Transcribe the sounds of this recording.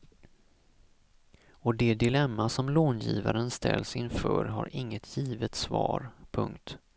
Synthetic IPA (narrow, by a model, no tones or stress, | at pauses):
ɔd̪ɛd̪ɪlɛmːasɔmloːnjiːvaɾənst̪ʰɛ̰lsɪnfœ̰ːɾɦa̰ɾɪŋːət̪ʰjiːvət̪svɑːɾpʰɵŋkt̪